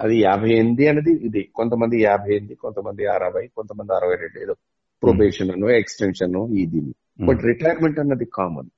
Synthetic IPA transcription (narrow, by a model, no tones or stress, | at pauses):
ɐd̪ijaːbʱɐjend̪iɐnːɐd̪iːd̪ikont̪ɐmɐnd̪ijaːbʱɐjend̪ikont̪ɐmɐnd̪iaɾɐbʱɐjkont̪ɐmɐnd̪iɐɾɐʋɐjɾeɖleːd̪u | pɾobeːʂɐnɐnueksʈenʂɐnuiːd̪inu | bɐʈɾiʈɐjɐɾmeɳʈɐnːɐd̪ikaːmɐ̰n